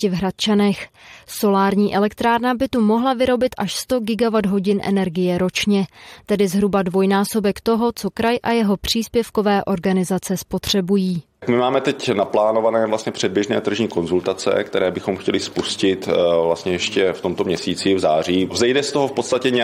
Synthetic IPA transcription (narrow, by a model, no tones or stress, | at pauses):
ɪvɦɾat̪̚t͡ʃanɛxso̞laːɾɲiːʔɛlɛkt̪ɾaːɾnabɪt̪umo̞ɦlavɪɾo̞bɪt̪ʔaʃst̪o̞ɡɪɡavad̪ɦo̞ɟɪnʔɛ̰nɛɾɡɪjɛɾo̞t͡ʃɲɛt̪ɛdɪzɦɾubadvo̞jnaːso̞bɛkt̪o̞ɦo̞t͡so̞kɾajʔajɛɦo̞pr̝̥iːspjɛfko̞vɛːʔo̞ɾɡanɪzat͡sɛspo̞t̪r̝̥ɛbujiː | kmɪmaːmɛt̪ɛcnaplaːnovanɛːvlast̪ɲɛpr̝̥ɛd̚bjɛʒnɛːt̪r̩ʒɲiːko̞nzult̪at͡sɛ̰kt̪ɛɾɛːbɪxo̞mxcɛlɪspuscɪt̪vlast̪ɲɛjɛʃcɛft̪omt̪o̞mɲɛsiːt͡sivzaːriːvzɛjdɛst̪oɦofpot̪st̪acɛɲɛ